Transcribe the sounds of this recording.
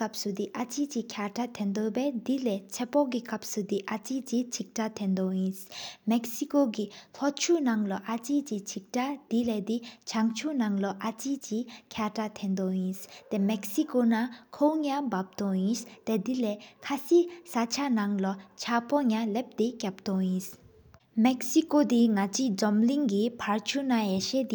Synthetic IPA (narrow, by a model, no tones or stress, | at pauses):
kap̚sud̪iʔat͡ɕit͡ɕikʰjatat̪ʰɛnd̪obɛd̪ilɛt͡sʰɛpɔɡikap̚sud̪iʔat͡ɕit͡ɕit͡ɕʰik̚tat̪ʰɛnd̪ɔjĩnsmɛk̚sikoɡit̪ʰɔt͡ɕʰunaŋlɔʔat͡ɕit͡ɕit͡ɕʰik̚tad̪̥ilɛd̪it͡ɕʰaŋt͡ɕʰunaŋlɔʔat͡ɕit͡ɕikʰatat̪ʰend̪ɔjĩst̪emɛksikonakʰowŋabap̚t̪ɔjĩst̪ɛd̪ilɛkʰasisat͡ɕʰanaŋlɔt͡ɕʰapɔŋalep̚d̪ekʲap̚t̪ɔjĩs | mɛksikod̪iŋat͡ɕid͡zɔmliŋɡipʰaɹt͡ɕʰunajɛʃed̪i